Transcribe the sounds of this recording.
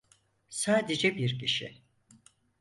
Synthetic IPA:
saːd̪ed͡ʒɛbiɾcʰiʃɪ̰

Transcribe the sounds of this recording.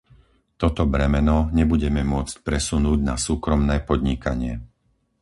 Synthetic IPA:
t̪ɔt̪ɔbɾɛmɛnɔɲɛbuɟɛmɛmʊɔt͡sc̚pɾɛsunuːɟnasuːkɾɔmnɛːpɔd̪ɲikaɲɪɛ

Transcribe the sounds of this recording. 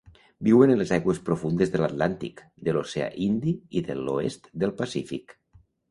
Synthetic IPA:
biwenenlezajɣwespɾofund̪ezðelat̪lant̪ḭk | d̪elosea̰ʔind̪iiðelo̰ḛst̪d̪elˠpasifḭk

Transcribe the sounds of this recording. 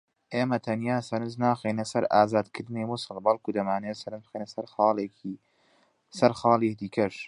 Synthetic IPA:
ʔeːmɐt̪ʰɐnjaːsɐɾɨnznaːxeːnɐsɐɾaːzaːd̪kʰɨɾd̪ɨnejmʊsɨlˠbɐlkud̪ɐmaːnejsɐɾɨnzbxenɐsɐɾxɑːleːi | sɐɾxɑːliːhd̪iːkʰɐʃ

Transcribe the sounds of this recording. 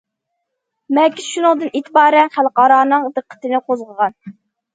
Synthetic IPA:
mɛɾkʲiz̥ʃunɨŋd̪ɨnit̪ʰɪbɑːɾɛnχælˠqɑːɾɑːnɨŋd̪ɨqʰːə̥t̪ɨnɪqʰozʁəʁɑn

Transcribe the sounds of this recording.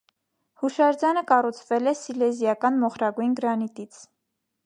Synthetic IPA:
huʃɑɾd͡zɑnəkɑrut͡sʰvɛlɛsilɛzjɑkɑnmɔχɾɑɡujnɡəɾɑnit̪it͡sʰ

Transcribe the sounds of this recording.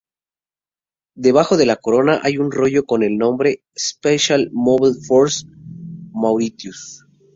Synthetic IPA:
d̪e̞β̞axo̞ðe̞lako̞ɾo̞naʔajunro̞ʝo̞ko̞ne̞lnõ̞mbɾe̞ | speʃalmoβalfoɾs | mawɾit̪jus

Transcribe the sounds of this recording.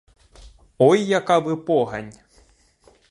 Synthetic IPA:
ɔjːɐkaʋɪpɔɦɐ̰nʲ

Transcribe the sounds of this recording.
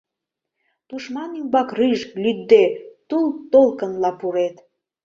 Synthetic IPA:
t̪uʃmɑnimbɑkriʒlyd̪ːet̪ult̪olkənlɑpuɾet̪

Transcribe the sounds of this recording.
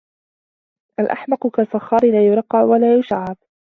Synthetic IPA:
ʔalʔa̰ħmɑqʊkasˤɑxːɑːɾɪlaːjʊɾˤɑqːɑʕwalaːjʊʃaʕːɑb

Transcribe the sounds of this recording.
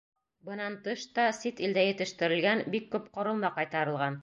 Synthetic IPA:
bɤ̆nɑnt̪ɤʃt̪ɑsit̪ild̪æjɘ̆t̪ɘ̆ʃt̪ɘ̆ɾɘ̆lɡænbikːʉp̚qŏɾɤ̆lˠmɑqɑjt̪ɑɾɤ̆lˠʁɑn

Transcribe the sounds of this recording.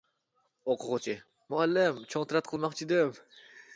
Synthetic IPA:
oqʰʊʁʊt͡ʃʰɪ | mʊælːɪmt͡ʃʰoŋt̪ʰɨɾat̪̚qʰəlˠmɑqt͡ʃʰid̪ɪm

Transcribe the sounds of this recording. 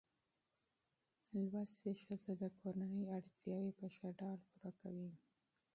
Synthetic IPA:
lwaseʃazad̪əkʰoɾanəjaɽt̪jɑwepəʃaɖɑlpuɾakawi

